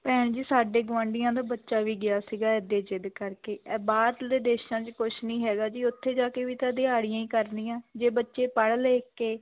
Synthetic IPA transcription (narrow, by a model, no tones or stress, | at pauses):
pɛːɳd͡ʒiːsaːɖeːɡʋãːɳɖɪjãːd̪aːbətːʃaːʋiːɡɪaːsiːɡaːɛd̪eːd͡ʒɪd̪kəɾkeːɛːbaːd̪d̪eːd̪eːʃãːt͡ʃkʊʃnĩːɦɛːɡaːd͡ʒiːʊt̪ʰːeːd͡ʒaːkeːʋiːt̪ãːd̪ɪaːɽɪjãːĩːkəɾniːjãːd͡ʒeːbətːʃeːpəɽleːkeː